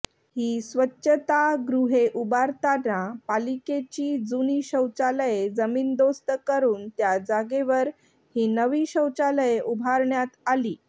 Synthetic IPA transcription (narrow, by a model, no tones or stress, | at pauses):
hiːsʋətːɕət̪aɡɾuɦeʔubaɾt̪anapaliket͡ɕiːd͡zuniɕəwt͡saləjed͡zəmiːnd̪ost̪əkəɾuːnt̪jad͡zaɡeʋəɾ | hiːnəʋiːɕəwt͡saləjeʔubʱaɾɳjat̪aliː